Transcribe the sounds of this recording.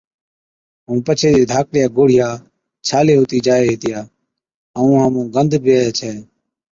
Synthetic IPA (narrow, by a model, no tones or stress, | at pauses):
ɦũːpət͡ʃʰeːd̪eːd̪ʱaːk̚ɽɪjaːɡoːɽ̤ɪjaː | t͡ʃʰaːleːɦoːt̪iːd͡ʒaːeːɦeːt̪ɪjaː | əũːɦəmũːɡənd̪ʱpjeːjaːt͡ʃʰɛː